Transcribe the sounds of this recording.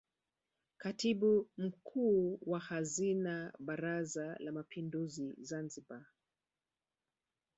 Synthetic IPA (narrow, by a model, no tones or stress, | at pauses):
katiɓum̩kʰuːwahazinaɓaɾazalamapʰinduzizanziba